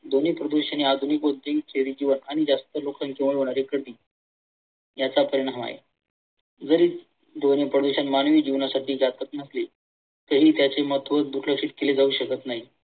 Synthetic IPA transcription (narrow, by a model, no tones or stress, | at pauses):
d̪onipɾəd̪uɕañead̪ʱunikʋod̪ʱekʰeɾiːd͡ʑiʋənaɽ̃id͡zast̪əlokankeʋɭeɦoɳ̃aɾekəɽd̪iː | jat͡sapəɾiɽ̃aɦʋa̰ɦḛ | d͡zəɾiː | d̪onipɾəd̪uɕanmanʋiːd͡ʑiʋnasaʈiːd͡ʑat̪ət̪nəsli | t̪əɦiːt̪jat͡semət̪ʋət̪d̪uɾləkɕit̪keled͡zauːɕəkət̪naɦi